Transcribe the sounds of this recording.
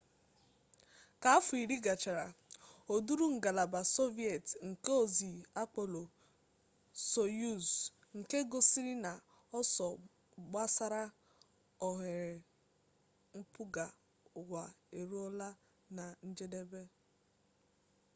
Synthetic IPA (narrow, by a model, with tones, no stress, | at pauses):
ka˨a˦fʊ˨i˨ɾi˦ɡa˨t͡ʃa˨ɾa˨o˨du˦ɾu˦ŋ̩˨ɡa˨la˨ba˨so˦vi˦e˨tŋ̩˨ke˦o˨zi˨a˦k͡po˨lo˨ | so˨ju˦˨z | ŋ̩˨ke˦ɡo˨si˦ɾi˦na˨ | ɔ˦sɔ˨ | ɡ͡ba˦sa˦ɾa˦ | ɔ˨ɦe˨ɾe˨ | m̩˦pu˦ɡa˨ | ɡʷa˨e˨ɾu˦ɔ˦la˦ | na˨n̩˦d͡ʒe˦de˦be˦